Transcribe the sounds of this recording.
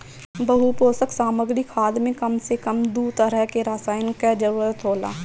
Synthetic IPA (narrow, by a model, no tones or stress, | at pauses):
bəɦupoːsəksaːməɡɾikʰaːd̪mẽkəmsekəmd̪uːt̪əɾəɦkeɾaːsaːjɪnkɛd͡ʒəɾuːɾət̪ɦoːla̰ː